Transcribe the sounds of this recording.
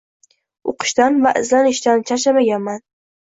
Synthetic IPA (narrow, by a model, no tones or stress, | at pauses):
oqʰɨ̥ʃt̪anvaʔɪzlanɪʃt̪ant͡ʃʰaʃ̬amaɡʲanman